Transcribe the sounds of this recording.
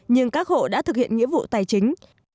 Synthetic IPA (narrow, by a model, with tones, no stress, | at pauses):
ɲɨ˧ŋkaː˦˥k̚ho̰˧˨ɗa̰ː˧˥t̪ɨ˨˩k̚hḭ˧˨ənŋḭ˧˥əvṵ˧˨t̪aː˨˩jt͡ɕï˨˦ŋ̟